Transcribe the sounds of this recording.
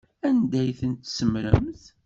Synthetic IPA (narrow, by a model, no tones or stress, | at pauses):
ænd̪æjθənt̪səmɾə̰mθ